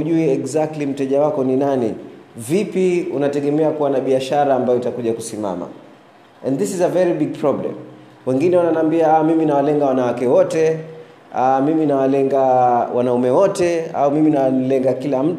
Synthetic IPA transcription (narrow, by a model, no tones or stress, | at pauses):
uʄuiɛɡzak̚tlim̩tɛʄawakɔninanivipiunatɛɠɛmɛakuwanaɓiaʃaɾaːmbajɔitakuʄakusima̰ma̰ | ɛ̃nðisizəvɛɾibiɡ̚pʰɹɔblɛ̰m | wɛŋɡinɛananaːmbiaamiminawalɛŋɡawanawakɛwɔtɛ | amiminawalɛŋɡawʔanaumɛwɔtɛa̰umiminawanlɛŋɡakilam̩